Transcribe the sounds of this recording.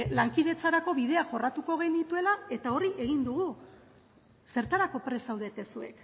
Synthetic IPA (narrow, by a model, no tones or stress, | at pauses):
laŋkiðe̞t͡saɾako̞βið̞e̞aʝo̞rat̪uko̞ɣ̞e̞jnd̪it̪ue̞lae̞t̪ao̞ɾiʔe̞ɣ̞ind̪uɣ̞u | se̞ɾt̪aɾako̞pɾe̞sawðe̞t̪e̞sue̞k